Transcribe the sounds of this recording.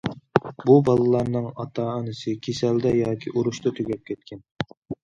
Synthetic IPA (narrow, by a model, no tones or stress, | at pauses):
bubɑlˠɨlˠɑɾnɨŋɑt̪ʰɑːnɨsɨkʲʰesɛld̪ɛjɑːkʲʰiʔuɾuʃt̪ɑt̪ʰøɡʲɛp̚kʲʰɛt̪̚kʲʰɛn